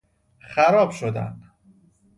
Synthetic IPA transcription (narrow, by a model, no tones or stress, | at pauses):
xæɾɒːb̥ʃod̪æ̰n